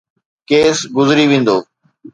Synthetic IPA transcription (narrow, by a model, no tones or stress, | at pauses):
keːsɡʊzɾiʋẽːn̆d̪oː